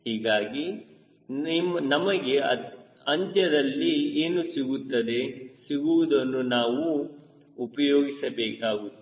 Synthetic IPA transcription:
hiːɡaːɡi | mɐnɐmɐɡe̞ɐ | ɐɲt͡ʃɐd̪ɐlːieːnusiɡut̪ːɐd̪e̞siɡuʋud̪ɐnːunaːʋuː | pɐjoːɡisɐbɛːkaːɡut̪ː

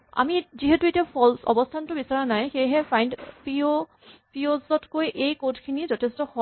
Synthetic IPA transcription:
a̰miziɦetuetiapʰɔlsɔ̰bɔstʰantʊbisaɹanajxejɦɛpʰajndpio | piozɔtkojʔejkotʰkʰinizɔtʰestɔhɔ

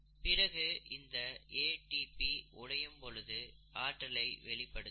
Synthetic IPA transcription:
pɪrɐɣɯɪnd̪ɐeːʈipiʊɽɐjɯmpɔlɯðɯaːʈːɐlɐɪʋɛɭɪpːɐɽɯ

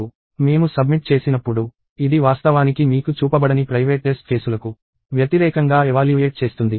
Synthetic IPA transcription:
me̞ːmusɐbmiʈ̚t͡ʃe̞ːsinɐpːuɽu | id̪iʋaːst̪ɐʋaːnikimiːkut͡ʃuːpɐbɐɽɐnipɾɐjʋeːʈːesʈ̚kʰe̞ːsulɐku | ʋjɐt̪iɾɛːkɐŋɡaːɛʋaːljueːʈ̚t͡ʃe̞ːst̪und̪i

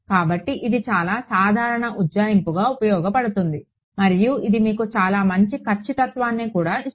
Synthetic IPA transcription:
kaːbɐʈːiʔid̪it͡ʃaːlaːsaːd̪ʱaːɾɐɳɐʔud͡ʒaːjimpuɡaːupɐjɔːɡɐpɐɽut̪und̪i | mɐɾijuʔid̪imiːkut͡ʃaːlaːmɐɲt͡ʃikɐɾt͡ʃːit̪ɐt̪ʋaːnːiːkuːɽaːi

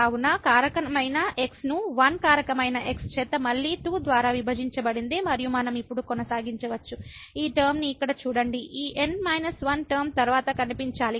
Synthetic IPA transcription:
aːunɐkaːɾɐkɐmɐjnɐʔe̞ksnuʋɐnkaːɾɐkɐmɐjnɐʔe̞kst͡ʃɛːt̪ɐmɐɭːiːʈuːd̪ʋaːɾaːʋibʱɐd͡ʒiɲt͡ʃɐbɐɽind̪imɐɾijumɐnɐmipːuɽukɔnɐsaːɡiɲt͡ʃɐʋɐt͡ʃːuiːʈɐɾmniːkːɐɽɐt͡ʃuːɽɐɳɖiʔiːʔenɖmɐjnɐsʋɐnʈɐɾmt̪ɐɾʋaːt̪ɐkɐnipiɲt͡ʃaːli

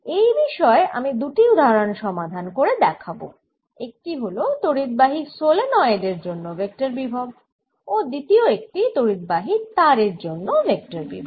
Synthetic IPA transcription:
ejbiʃɔeʔa̰mid̪uʈiud̪ʱaɾonʃɔmad̪ʱankoɾed̪ɛkʰabo̰ | ek̚ʈiɦolot̪oɾit̪̚baɦisolenɔeed̪eɾd͡ʑonːovek̚ʈaɾbibʱab̚ | od̪it̪ioek̚ʈit̪oɾid̪̚baɦit̪aɾeɾd͡ʑonːovek̚ʈaɾbḭbʱab

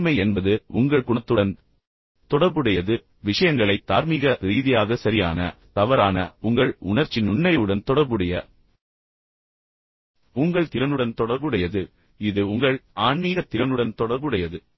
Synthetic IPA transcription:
mɐɪɛnbɐðɯʊŋɡɐɭkʊɳɐt̪ːɯɽɐn | t̪ɔɽɐɾbɯɽɐjɐðɯ | ʋɪʂɐjɐŋɡɐɭɐɪt̪ːaːɾmiɣɐɾiːðɪjaːðɐsɐɾɪja̰ːnɐ̰t̪ɐʋɐɾaːnɐ̰ʊŋɡɐɭʊɳɐɾt͡ʃːɪnʊɳːɐɪɯɽɐnt̪ɔɽɐɾbɯɽɐjɐ̰ | ʊŋɡɐɭt̪ɪɾɐnɯɽɐnt̪ɔɽɐɾbɯɽɐjɐðɯ | ɪðɯʊŋɡɐɭaːɳmiːɣɐt̪ɪɾɐnɯɽɐnt̪ɔɽɐɾbɯɽɐjɐðɯ

